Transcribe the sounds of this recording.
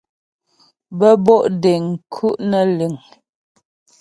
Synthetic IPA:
bə˦bɔ˦˨ʔde˨ŋ̩˨kʰu˦ʔnə˨lʉ˨ŋ

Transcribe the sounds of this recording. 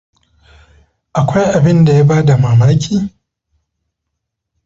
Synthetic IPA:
ʔa˨kʷa˦jʔa˨bɪ˦nda˨jaː˦baː˦da˨maː˨maː˦kʲʰiː˦

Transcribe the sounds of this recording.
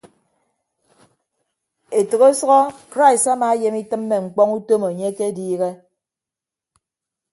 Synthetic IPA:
e˨tɨ˨ɣo˦sɔ˦ɣɔ˦kɾa˦i˨sa˦maː˨e˦je˦mi˦tɨ˦mːe˨ŋ͡m̩˨k͡pɔ˦ŋu˦to˦mo˨ɲe˦ke˦diː˦ɣe˦

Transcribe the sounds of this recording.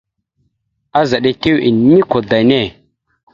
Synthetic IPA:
a˦za˨ɗe˨te˦wi˨ni˦ko˨da˨ne˦˨

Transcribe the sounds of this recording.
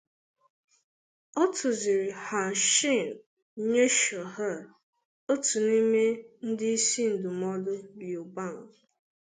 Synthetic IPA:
ɔ˦tʰʊ˨zi˨ɾi˨ha˨n̩˨ʃi˦˨n˨˦ | ɲe˦ʃo˨ɦa˦˨ | o˦tu˨ni˦me˦n̩˦dɪ˦i˦si˦n̩˨dʊ˨mɔ˦dʊ˦bjo˨ba˦˨ŋ˨

